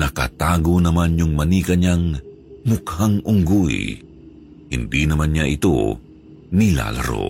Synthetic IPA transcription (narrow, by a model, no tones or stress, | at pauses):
nɐka̰t̪aːɡonɐmanjʊŋmɐniːkɐɲaŋ | mʊkhaŋʔʊŋɡuj | hɪnd̪inɐmanɲaʔɪt̪o̰ | nɪla̰lɐ̰ɾo̰